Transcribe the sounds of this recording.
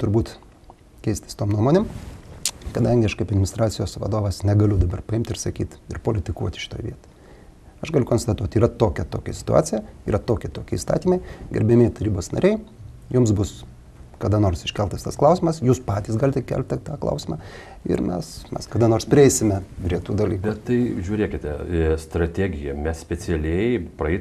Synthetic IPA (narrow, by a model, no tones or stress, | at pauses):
t̪ʊɾbuːt̪ | kʲɛɪsʲt̪ʲɪ̥st̪oːmnuɔmoːnʲem | kɐd̪ɐŋʲɡʲɪɐʃkɐɪpɐd̪nmʲɪnʲɪst̪ɾɑːt̪t͡ssʲɪjoːsʋɐ̰d̪oːʋɐsnʲɛɡɐlʲʊd̪ɐbɐrpɐɪmʲt̪ʲɪrɾsɐkʲḭːt̪ɪɾpoːlʲɪt̪ʲɪkuɔt̪ʲʃʲɪ̥t̪oːjʋʲiɛt̪o̥ɪ | ɐʃɡɐlʲʊkoːnst̪ɐt̪uɔt̪iːɾɐt̪oːkʲɛt̪oːkʲɛsʲɪ̥t̪ʊ̰ɑ̰ːt͡s̪ʲsʲɪjɛiːɾɐt̪oːkʲɪt̪oːkʲɪiːst̪ɑ̰ːt̪ʲiːmɐɪɡʲɛ̰ɾʲbʲɛmʲeɪt̪ɐɾʲiːboːsnɐ̰ɾʲɛɪjʊmsbʊs | kɐd̪ɐnoːrsɪʃʲkʲɛlˠt̪ɐst̪ɐsklˠɐʊsʲɪmɐsjuːspɑːt̪ʲiːsɡɑːlʲɪt̪ʲɛkʲæ̰lʲp̚ʲt̪ʲɛt̪ɑːklˠɐ̰ʊsʲɪmɑ | ɪ̰ɾmʲɛ̰smʲɛ̰skɐːd̪ɐnoːrspʲɾʲɪɛɪsʲɪmʲɛpʲɾʲiɛt̪uːd̪ɐlʲiːkbʲɛt̪t̪ɐɪʒʲuːɾʲeːkʲɪt̪ʲɛst̪ɾɐt̪ʲæːɡʲɪjɛmʲɛssʲpʲɛt͡s̪ʲɛlʲɛɪpɾɐɛɪ